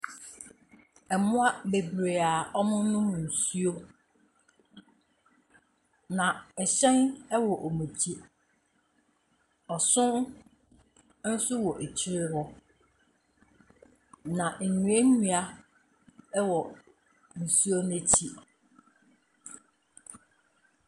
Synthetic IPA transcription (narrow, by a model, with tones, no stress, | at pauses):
ɛ˨mʊ̃˦a˦be˨bɾe˨a˨ɔ˦mʊ̃˦nʊ̃˦˨n̩˨su˦o˦ | nã˨ɛ˨ɕɛ̃˦nɛ˦wɔ˨ʔo˨mũ˨tʰi˦ | ɔ˨sʊ̃˦n˦ | n̩˦sʊ˦wɔ˨ʔe˨t͡ɕʰɪ˦ɾɪ˦hɔ˦ | nã˨n̩˨nũ˨e˦nũ˨a˦ | wɔ˨ | n̩˨su˦o˦nɛ̃˦t͡ɕʰi˦